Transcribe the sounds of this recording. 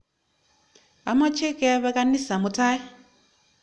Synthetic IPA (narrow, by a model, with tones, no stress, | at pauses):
a̰˨ma˦t͡ʃʰe˦kɛ˦βa˦ka˦ni˦sa˨mu˨tʰaː˦ji˦˨